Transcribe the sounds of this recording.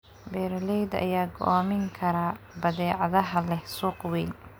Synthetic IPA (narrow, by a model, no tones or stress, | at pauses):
bɛːɾlɛjd̪ɐ̰jaːɡɔʔɔːmɪŋkʰɐɾaː | bɐðɛːʕɑðɐɦɐlɛhsuːqwɛːn